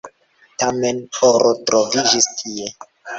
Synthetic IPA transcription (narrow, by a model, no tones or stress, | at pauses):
tame̞noɾotɾʔovid͡ʒistʰie̞